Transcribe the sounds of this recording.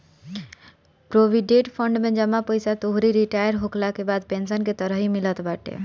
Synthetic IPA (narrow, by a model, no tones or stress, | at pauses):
pɾobʱiɖeʈpʰəɳɖmẽd͡ʒəmːapəjsat̪oɦɾiɾiʈajəɾɦoklakebad̪̚pensənket̪əɾəɦimilət̪baʈḛ